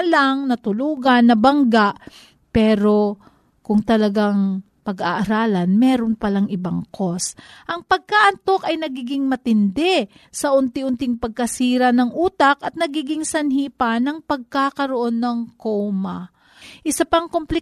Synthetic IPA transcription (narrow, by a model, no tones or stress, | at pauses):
laŋnɐt̪ʊluːɡɐnːɐbɐŋɡaʔ | pɛːɾo̞ | kʊŋt̪ɐlɐɡaŋ | pɐɡaʔɐɾaːlɐnmɛːɾonpɐlaŋɪbaŋkʰosʔɐŋpɐɡ̚kaʔɐnt̪o̞kɐjnɐɡiːɡɪŋmɐt̪ɪnd̪ɛ | sɐʔʊnt̪ɪʊnt̪ɪŋpɐɡ̚kɐsiːɾɐnɐŋʔuːt̪ɐkɐt̪̚nɐɡiːɡɪŋsɐnhiːpanɐŋpɐɡ̚kakɐɾoʔo̞nːɐŋkowma | ʔɪsapɐŋkomplɪ